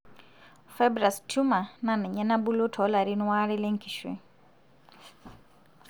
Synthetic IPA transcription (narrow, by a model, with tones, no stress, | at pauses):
fɛ˦bɾa˨stu˦ma˨na˨nɛ˨ɲɛ˦na˦bu˦lo˦tʰɔ˨˦la˨ɾi˦nwa˦ɾɛ˦lɛ˦ŋkʰi˨ʃwɛ̰˨